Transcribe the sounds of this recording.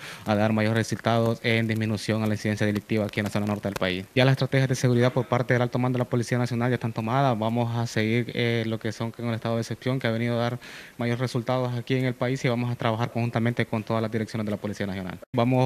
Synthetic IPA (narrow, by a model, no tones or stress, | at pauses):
aðaɾmaʝo̞ɾresult̪aðo̞se̞nd̪izminusjo̞ŋalainsiðe̞nsjaðelik̚t̪iβaːkienlaso̞nano̞ɾt̪eðelpa̰isjalas̬est̪ɾat̪e̞xjazðe̞seɣuɾiðaðpo̞ɾpaɾt̪e̞ðelalt̪omand̪elapo̞lisianasjo̞nalaest̪ant̪o̞maðaβamo̞sase̞ɣiɾelokesoŋkoŋelest̪aðoðesepsjo̞ŋkeaβeniðoaðaɾmaʝo̞ɾresult̪aðosakie̞ŋe̞lpaisiβamo̞sat̪ɾaβaxaɾkoŋxunt̪ament̪eko̞nt̪o̞ðazlazd̪iɾeksjo̞nezðelapo̞lisianasjo̞na̰lbamo